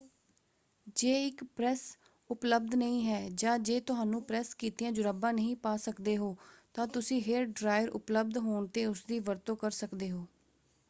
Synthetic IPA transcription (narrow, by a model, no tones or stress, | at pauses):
d͡ʒeːɪkpɾɛːs | ʊpləb̚d̪nəĩːɦɛːd͡ʒãːd͡ʒeːt̪ʊɦaːnũːpɾɛːskiːt̪iːãːd͡ʒʊɾəbãːnəɦĩːpaːsəkd̪eːɦoːt̪ãːt̪ʊsĩːɦeɾɖɾaːjəɾʔʊ̰pləb̚d̪ɦoːɳt̪eːʊsd̪iːʋəɾt̪õːkəɾsəkd̪eːɦoː